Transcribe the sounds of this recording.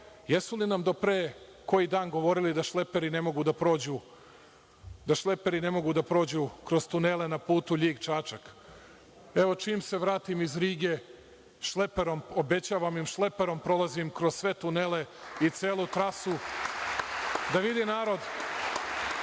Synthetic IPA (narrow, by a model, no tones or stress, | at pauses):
jesulinamd̪o̞pɾeː | ko̞jid̪aːnɡo̞ʋo̞ɾilid̪aʃlepe̞ɾine̞mo̞ɡud̪apɾo̞ːd͡ʑu | d̪aʃle̞pe̞ɾine̞mo̞ɡud̪apɾo̞ːd͡ʑukɾo̞z̥t̪unele̞napuːt̪uʎiːɡt͡ʃaːt͡ʃak | e̞ʋo̞t͡ʃiːmse̞ʋɾaːt̪imizɾiːɡe̞ | ʃlepeɾomobe̞t͡ɕaːʋamimʃle̞pe̞ɾo̞mpɾo̞lˠazimkɾozsʋe̞t̪unele̞it̪seːlˠut̪ɾasu | d̪aʋid̪inaːɾo̞d̪